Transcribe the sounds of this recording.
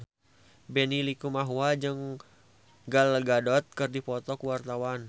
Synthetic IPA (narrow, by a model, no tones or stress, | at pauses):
bɛnilikumaɦuad͡ʒɨŋ | ɡalɡadɔt̪̚kɨrdipɔt̪ɔkuwart̪awan